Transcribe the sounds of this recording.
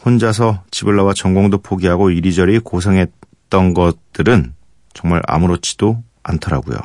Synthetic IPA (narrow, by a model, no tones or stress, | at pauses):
hond͡ʑas̬ʰʌt͡ɕibɯɭːawat͡ɕʌŋɡoŋdopʰoɡiɦaɡoiɾid͡ʑʌɾikosʰeŋɦe̞t | t͈ʌnɡʌt͈ɯɾɯn | t͡ɕʌŋmaɭa̰mɯɾot͡ɕʰi̥d̥o | antʰʌɾa̰ɡṵjo̰